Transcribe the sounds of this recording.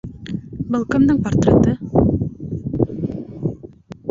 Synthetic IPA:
bɤ̆lˠqɤ̆md̪ɤɴport̪rʲet̪ɤ

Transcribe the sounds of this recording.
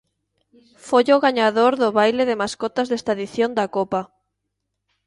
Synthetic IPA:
foʎoɣaɲaðoɾðʊβajleðemaskot̪azðest̪aðiθjond̪akopa

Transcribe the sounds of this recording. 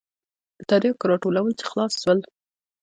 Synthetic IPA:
t̪ɑɾikɾɑʈolawəlt͡ʃe̥xlɑsʃwəl

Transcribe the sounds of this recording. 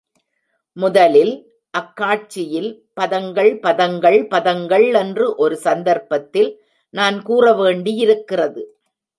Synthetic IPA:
mʊðɐlɪl | ʔɐkːaːʈ̚t͡ʃːɪjɪl | pɐðɐŋɡɐɭpɐðɐŋɡɐɭpɐðɐŋɡɐɭɛndrɯʔɔɾɯsɐnd̪ɐɾpɐt̪ːɪl | naːnkuːrɐʋeːɳɖiɪɾɯkːɪrɐðɯ

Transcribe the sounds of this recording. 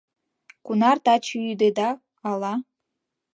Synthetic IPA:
kunɑrt̪ɑt͡ɕyyd̪ed̪ɑː | lˠɑ

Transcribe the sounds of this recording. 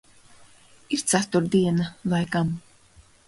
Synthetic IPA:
iɾt̪sat̪uɾd̪iɛnavajkam

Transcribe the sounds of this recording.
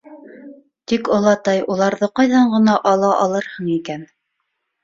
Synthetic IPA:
t̪ikŏlˠɑt̪ɑjulˠɑɾðɤqɑjðɑɴɢɤ̆nɑʔɑlˠɑʔɑlˠɤɾhɤɴikæn

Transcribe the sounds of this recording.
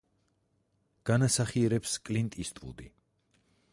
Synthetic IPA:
ɡ̥anasaχiɛɾɛpskʼlint̪ʼist̪ʼɾṵd̪i

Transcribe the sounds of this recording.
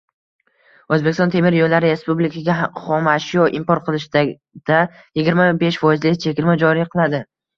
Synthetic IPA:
ɵzbe̞kʲɪst̪ɒnt̪ʰe̞mɪɾjojlːaɾɪɾe̞spublɪkʲʰaɡʲaχɒmaʃjɒʔɪmpɒɾqʰɨlˠɪʃd̪a | d̪̥a | jɪɡʲɪɾmabe̞ʃfɒjɪzlɪkʲt͡ʃʰe̞kʲɪɾmad͡ʒɒɾɪjqʰɨlˠad̪ɪ

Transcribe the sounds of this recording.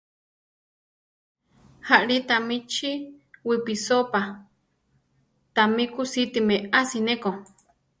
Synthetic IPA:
haʔɺit̪amit͡ʃiwipisopa | t̪amikusit̪imeasineko

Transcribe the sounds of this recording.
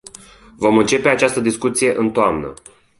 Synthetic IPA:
vo̞mɨnt͡ʃe̞pe̞at͡ʃast̪əd̪iskut̪sije̞ʔɨnt̪oamnə̰

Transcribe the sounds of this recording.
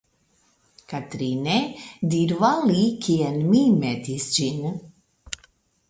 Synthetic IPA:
kat̪ɾined̪iɾvalikʰiɛnmimɛd̪isd͡ʒin

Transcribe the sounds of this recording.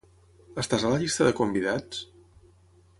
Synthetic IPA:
əst̪azələʎist̪əðəkumbiðat͡s

